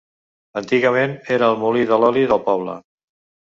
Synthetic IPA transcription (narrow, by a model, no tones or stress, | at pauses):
ənt̪iɣəmeneɾəːlˠmuliðəlɔliðəlˠpɔβ̞lə̰